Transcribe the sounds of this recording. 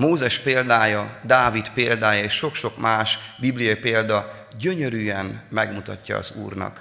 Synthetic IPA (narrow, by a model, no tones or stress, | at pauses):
moːzɛʃpeːld̪aːjɒd̪aːvit̪peːld̪aːjɒeːʃʃo̞kʃo̞kmaːʃbiblijɒipeːld̪ɒ | ɟøɲøɾyːɛnmɛɡmut̪ɒ̰cːɒ̰ɒ̰zṵːrnɒ̰k